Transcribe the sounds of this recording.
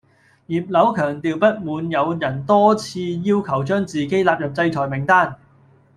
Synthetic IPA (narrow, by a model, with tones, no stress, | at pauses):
jiː˨˩p̚lɐ˨˥wkʰœː˨˩ŋt̪iː˨wpɐ˥t̚muː˨˧njɐ˨˧wjɐ˨˩nt̪ɔː˥t͡sʰiː˧jiː˥wkʰɐ˨˩wt͡ʃœː˥ŋt͡siː˨ke˥jlaː˨˧p̚jɐ˨p̚t͡sɐ˧jt͡ʃʰɔː˨˩jmɪ˨˩ŋt̪aː˥n